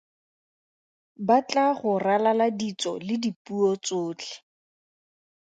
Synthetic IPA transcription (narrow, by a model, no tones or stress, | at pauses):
bat͡ɬaχʊralaladit͡sɔ̰lɪdipuɔt͡sʊːt͡ɬʰɛ̥